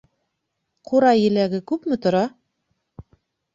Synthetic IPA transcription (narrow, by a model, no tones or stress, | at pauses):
qʰuɾɑjɘ̆læɡɘkʉpmɘ̆t̪ŏɾɑ